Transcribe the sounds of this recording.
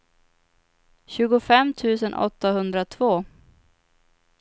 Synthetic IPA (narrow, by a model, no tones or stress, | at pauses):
ɕʉ̟ːɡʊfɛmːt̪ʰʉ̟ːsənʔɔ̰t̪ːaɦɵnd̪ɾat̪ʰvoː